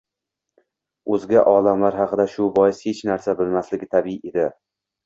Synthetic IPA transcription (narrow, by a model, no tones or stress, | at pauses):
ɵzɡʲaʔɒlamlaɾɦɑqɨd̪aʃʊbɒjɪshet͡ʃnaɾsabɪlmaslɪɡʲɪt̪ʰabɪied̪ɪ